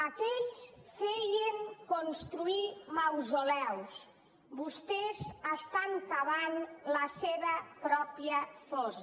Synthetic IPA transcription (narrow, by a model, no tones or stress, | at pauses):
akɛʎsfeʎeŋkonst̪ɾuimawzolɛws | bust̪ezəst̪ant̪aβanləseβəpɾɔpiəfɔz